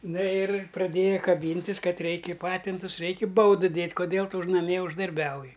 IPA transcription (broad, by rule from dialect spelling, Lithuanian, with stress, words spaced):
ˈnɐ ɪr prɐˈdʲeːjɛ kɐˈbʲiːnʲtʲɪs ˈkɐt ˈrʲɛɪkʲɪ ˈpɑːtʲɪntʊs ˈrʲɛɪkʲɪ ˈbɐʊdɨ ˈdʲeːtʲ koːˈdʲeːlˠ ˈtʊ ʊʃ nɐˈmʲiɛ ʊʒdɐrʲˈbʲɛʊjɪ